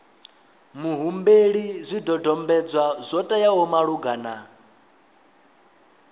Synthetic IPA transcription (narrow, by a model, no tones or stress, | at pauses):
muɦumbeɺizʷidɔdɔmbɛd͡zwazʷɔtʼajaɦɔmaɺuɡana